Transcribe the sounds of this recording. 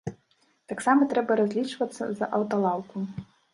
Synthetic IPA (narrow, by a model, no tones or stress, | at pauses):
t̪aksamɐt̪ɾɛbɐɾazʲlʲit͡ʂvɐt̪sːɐ̰zɐʔɐwt̪ɐlˠawku